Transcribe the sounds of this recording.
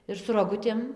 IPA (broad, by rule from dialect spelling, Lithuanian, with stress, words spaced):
ɪr sʊ roːˈɡʊtʲeːm